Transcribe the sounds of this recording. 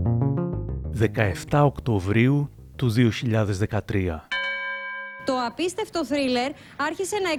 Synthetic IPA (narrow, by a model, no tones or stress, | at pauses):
ðe̞kɐe̞ft̪ɐokt̪o̞vɾiu | t̪uðio̞çiʎɐðe̞zðe̞kɐt̪ɾiɐ̰ | t̪o̞ɐpist̪e̞ft̪o̞θɾile̞ɾ | ɐɾçise̞nɐe